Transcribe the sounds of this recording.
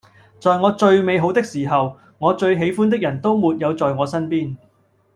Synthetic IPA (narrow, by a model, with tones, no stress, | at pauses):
t͡sɔː˨jŋɔː˨˧t͡ʃɵ˧ɥme˨˧jɦo˨˥wt̪ɪ˥k̚siː˨˩ɦɐ˨w | ŋɔː˨˧t͡ʃɵ˧ɥɦe˨˥jfuː˥nt̪̬ɪ˥k̚jɐ˨˩nt̪o˥wmuː˨t̚jɐ˨˧wt͡sɔː˨jŋɔː˨˧sɐ˥npiː˥n